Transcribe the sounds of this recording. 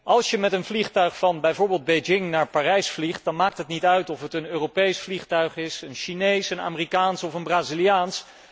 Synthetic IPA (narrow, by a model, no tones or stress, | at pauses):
ʔɑlˠsjəmɛtənvliχtœɥχfɑnbɛjvʊːɹbɪːlˠd̚bejd͡ʒɪŋnaːɹpaːrɛjsfliχt̚d̥ɑnmaːk̚tɦətnitœɥtɔfətənøːropejsfliχtœɥχɪsənʃinejsəna̰ːmɪrikaːnsɔfənbraːzilijaːns